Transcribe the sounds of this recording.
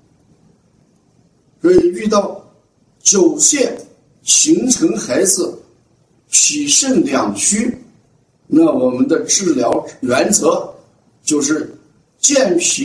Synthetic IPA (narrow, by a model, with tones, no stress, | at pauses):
kə˥i˨˩y˥˧t̪ɑ˥˩ʊ | t͡ɕjo˨˩ʊɕjɛ˥˩n | ɕi˧˥ŋʈ͡ʂʰɤ˧˥ŋxa˧˥ɪd͡zɹ̩˥˧ | pʰi˨˩ʂə˥˩nljɑ˨˩ŋt͡ɕʰy˥ | na˥˩wɔ˨˩mə˦nd̪ə˧ʈ͡ʂɻ̩˥˩ljɑ˧˥ʊɥɛ˧˥nt͡sɤ˧˥ | t͡ɕjo˥˧ʊʂɻ̩˥˩ | t͡ɕjɛ˥˩npʰi˧˥